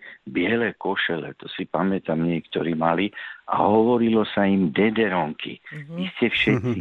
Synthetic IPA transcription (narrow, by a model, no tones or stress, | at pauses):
bɪɛlɛːkɔʃɛlɛ̰t̪ɔsipamɛt̪amɲɛkt̪ɔɾiːmalia̰ɦɔʋɔɾilɔsaimd̪ɛd̪ɛɾɔŋkʰḭʋiscɛfʃɛt̪si